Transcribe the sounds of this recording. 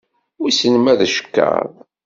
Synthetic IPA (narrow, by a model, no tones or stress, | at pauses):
sənəmæðʃə̥kːa̰ɾˤ